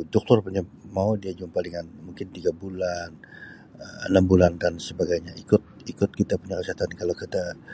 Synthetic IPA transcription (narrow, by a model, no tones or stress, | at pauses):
dɔk̚t̪ɔrpuɲamaudiad͡ʒuŋpaliŋanmuŋkɪnt̪iɡabulan | əə̰nambulandansəbaɡajɲaikʊt̪̚ikʊt̪̚kit̪apuɲakəsiɦat̪ankalakit̪a